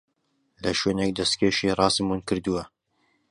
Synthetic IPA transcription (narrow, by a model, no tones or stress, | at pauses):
lɐʃwenek̚d̪ɐst̪keʃirˤɑːsɨmunkɨɾd̪uwɐ